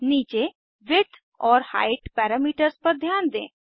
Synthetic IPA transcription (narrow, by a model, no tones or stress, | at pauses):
niːt͡ʃe | ʋɪʈ | ɔːɾha̰ːɪʈpɛːɾamiːʈəɾspɐɾd̪ʱjaːnd̪ḛ̃ː